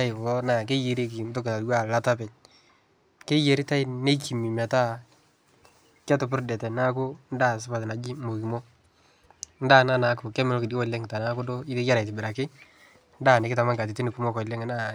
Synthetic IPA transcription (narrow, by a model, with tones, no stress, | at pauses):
a˦ɪ˨wɔ˦na˦˨k̬e˦je˨ɾi˦ki˨n˦to˦kɪ˨na˨twa˨la˨ta˦pɛ˨ɲ | ke˦je˨ɾi˦ta˦ɪ˦ne˦ki˨mi˨ma˨ta˦ | kɛ˦tʊ˨p̬ʊ˦ɾdɛ˨tɛ˨na˦kʊ˦n˦da˦˨s̬ɪ˦pa˨tɪ˨na˨d͡ʒi˦mo˨ki˨mo˦ | n̩˦da˦na˦na˨˦kʊ˨kɛ˦mɛ˨lo˦kɪ˨dwɔ˨le˦ŋ˨ta˨na˨˦kʊ˦do˦ɪ˦te˦ja˦ɾa˨tɪ˨bɪ˨ɾa˨kɪ˦ | n˦da˦˨nɪ˨kɪ˦ta˨ma˦ka˨t̬ɪ˨ti˦nɪ˨ku˦mo˦kɔ˨le˦ŋ˨na˦